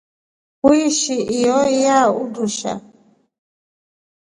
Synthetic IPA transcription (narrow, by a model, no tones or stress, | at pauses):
uiʃiijɔijauduʃa̰